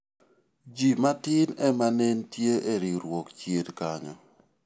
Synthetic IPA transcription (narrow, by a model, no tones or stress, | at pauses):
d͡ʒimatɪnɛmanentjeʔeɾiɾwokt͡ʃjedkaɲɔ̰